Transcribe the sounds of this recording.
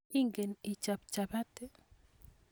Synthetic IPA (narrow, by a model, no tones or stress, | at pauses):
iŋɡenit͡ʃapt͡ʃabat̪e